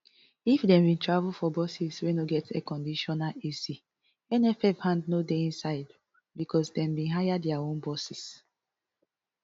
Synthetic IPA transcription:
ifdɛ̃mbĩntɹavulfɔbɔsiswenoɡɛtekɔ̃ndiʃɔnalizi | ɛnɛfɛfhãndnodeĩnsaɪd | bikʰɔsdɛ̃mbĩnɦajadɛaõnbɔsis

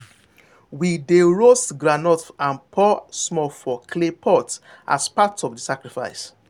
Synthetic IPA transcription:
wideɹosɡɾanɔtãnpʰɔsmɔfɔkʰlepʰɔt | ʔa̰spatɔvdisakɹifa̰ɪs

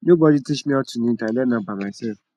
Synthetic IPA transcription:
nubɔditit͡ʃmĩɔtũnĩtalɛnãbamasɛf

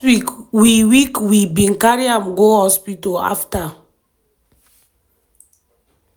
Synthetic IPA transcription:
ikwiwikwibĩŋkaɹiãmɡohɔspitoa̰fta

